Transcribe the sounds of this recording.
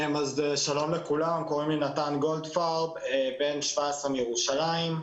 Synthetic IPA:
mazeʃalo̞mlekulamko̞ʁimlinat̪anɡo̞ld̪faʁbebe̞nʃvaesʁemjeʁuʃalaim

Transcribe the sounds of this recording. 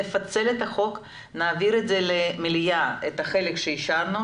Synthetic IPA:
efɐt̪t͡se̞let̪ɐχo̞k | naːviɾet̪zelemiljaet̪ɐχe̞lekʃeiʃaɾnu

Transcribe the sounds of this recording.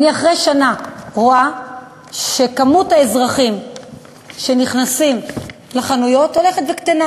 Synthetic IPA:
aniaχʁejʃanaʁoa | ʃe̞kamuthaezʁaχim | ʃe̞niχnasim | leχanujo̞to̞le̞χetvekt̪ana

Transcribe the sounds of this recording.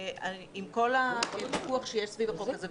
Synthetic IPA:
a | imko̞laut̪ikuaχʃejeʃsvivaχolkaze

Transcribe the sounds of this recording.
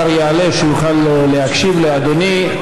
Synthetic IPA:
aɾjaːleʃujuχallehakʃivlead̪oni

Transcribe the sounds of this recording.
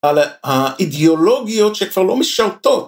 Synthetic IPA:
alhaʔid̪eolo̞ɡijo̞t̪ʃekv̥aʁlo̞miʃaʁt̪ot

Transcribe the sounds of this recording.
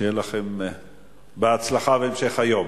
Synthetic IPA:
ejelaχem | beat͡slaχaveːmʃe̞χhajo̞m

